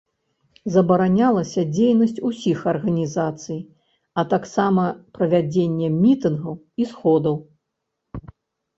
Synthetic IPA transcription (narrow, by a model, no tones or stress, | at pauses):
zɐbɐɾanʲalˠɐsʲɐd͡zʲejnɐsʲt͡sʲusʲixɐrɣɐnʲizat̪sɨj | ɐt̪aksamɐpɾɐvʲad͡zʲenʲːɛmʲit̪ɨnɣɐw | isxɔd̪ɐw